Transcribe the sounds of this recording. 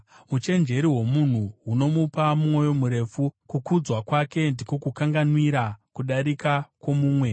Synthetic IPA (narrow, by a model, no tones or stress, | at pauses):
ut͡ʃe̞nd͡ʒe̞ɾiɦo̞mun̤uɦuno̞mupamumo̞jo̞muɾe̞fukukud͡zwakwake̞ndiko̞kukaŋɡanwiɾakuɗaɾikakwo̞muːmwe̞